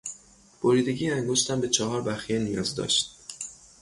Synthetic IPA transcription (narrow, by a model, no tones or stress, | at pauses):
b̥oɾiːd̪e̞ɟiːæŋɡoʃt̪æmbe̞t͡ʃʰɒɦɒːɾbæxijenijɒ̰ːzd̪ɒ̰ːʃt̪